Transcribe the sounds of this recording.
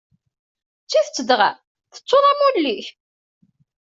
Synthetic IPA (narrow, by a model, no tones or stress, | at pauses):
t͡sːiθt͡sːəd̪ʁæ̰ | θə̥t͡sˤːoðˤæmulːiç